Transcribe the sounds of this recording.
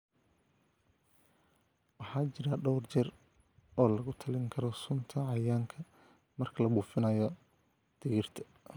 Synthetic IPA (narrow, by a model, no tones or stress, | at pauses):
wɑħɑːt͡ʃɪɾɐɖɔwrt͡ʃɐr | ɔːlɐɣʊt̪ʰɐlɪŋkʰɐɾɔsʊnt̪ʰɐʕɑjaːŋkʰɐ | mɐrkʰɐlɐbuːfɪnɐjɔ | d̪̥ɪɣɪrt̪ʰɐ̥